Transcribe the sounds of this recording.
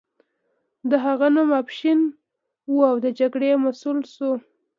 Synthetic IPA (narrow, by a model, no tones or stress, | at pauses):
d̪əɦaɣanumapʃin | uawd̪əd͡ʒaɡɽemasulsu